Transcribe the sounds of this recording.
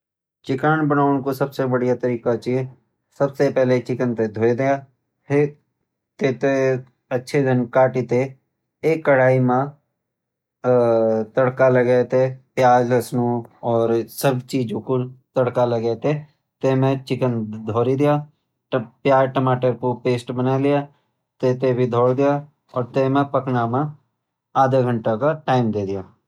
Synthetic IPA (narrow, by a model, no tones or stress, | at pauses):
t͡ʃt͡ʃɪkanbənaːʊnkosɐbsebəɽijat̪əɾiːkat͡ʃi | səbsepɛɦlet͡ʃɪkənt̪ed̪ʱoːed̪ɪjaː | e | t̪eːt̪e | ɐtːʃʰed̪ʱɪnkaːʈit̪e | eːkːəɽaːimã | t̪əɽkaləɡet̪epjaːd͡ʒləsnoɔːɾsəbt͡ʃiːd͡ʒõkot̪əɽkalɐɡet̪e | t̪eːmẽt͡ʃɪkənd̪ʱɔːɾid̪ɪjaː | pjaːɾʈəmaːʈəɾkopeːsʈbənalɪja | t̪eːt̪ebʱid̪ʱɔːɽd̪ija | ɔːɾt̪emẽpəknamã | aːd̪eɡʱə̃ɳʈakaʈaːɪmd̪eːd̪ɪjaː